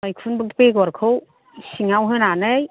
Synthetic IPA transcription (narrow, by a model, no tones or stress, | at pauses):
ajkʰunbɯk̚dpeɡɔɾkʰɯw | siŋawɦɯnanɯj